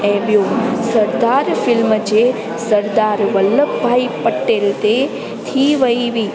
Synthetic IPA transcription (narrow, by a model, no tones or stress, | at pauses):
ẽʋijosəɾd̪aɾfɪlmd͡ʑe | səɾd̪aɾʋələkbʱaːipəʈelt̪e | t̪ʰiʋəiʋiː